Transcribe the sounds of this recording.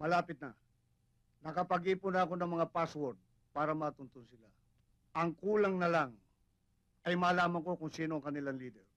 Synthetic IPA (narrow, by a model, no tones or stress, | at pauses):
mɐlaːpɪt̪̚nɐ | nɐkɐpɐɡiːpʊnɐɐko̞nɐŋmɐŋapaswɔɾd̪̚ | paːɾɐmaːt̪ʊnt̪onsɪla | ʔɐŋkuːlaŋnɐlaŋ | ɐjmaːlaːmɐŋko̞kʊŋsiːnoɐŋkɐnɪlaŋliːd̪ɛɾ